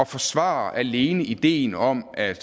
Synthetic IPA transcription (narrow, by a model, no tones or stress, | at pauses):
ɒ̽fɒ̽sʋɑ̰̈ːʔæle̝ːnəid̥e̝̰ːnɒ̽m̰æd̥